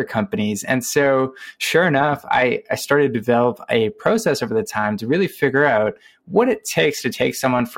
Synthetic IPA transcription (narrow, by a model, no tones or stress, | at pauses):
ə˞kʰʌ̃mpɨnizɨ̰̃nsoʊʃʊɹɨnʌfa̰ɪaɪstɑɹɾɨd̚dɨvɛlˠəpɨpʰɹ̥oʊsɛsoʊvə˞ðɨtʰãɪ̃mtʰɨɹɪlˠifɪɡjə˞aʊt̚ | wʌɾɨtʰeɪkstʰɨtʰeɪksʌ̃mwʌ̃nf